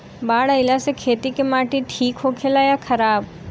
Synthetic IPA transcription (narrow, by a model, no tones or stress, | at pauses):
baːɽəɪlasekʰeːt̪ikemaːʈiʈʰiːkɦoːkʰelajakʰɐɾaːb